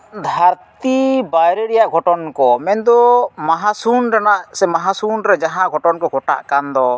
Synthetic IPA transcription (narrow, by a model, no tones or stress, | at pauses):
d̪ʱaɾt̪ibajɾɛɾɛjaʔɡʱɔʈɔnkɔmɛnd̪ɔmaɦasunʈanaʔsɛmaɦasunɾɛd͡ʒaɦãʔɡʱɔʈɔnkɔɡʱɔʈa̰ʔkand̪ɔ